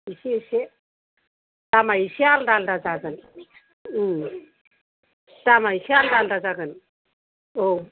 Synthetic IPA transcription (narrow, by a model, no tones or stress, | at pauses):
iɕiɕe | t̪amaiɕialdaldad͡zaɡən | t̪amaiɕialdaldad͡zaɡən | o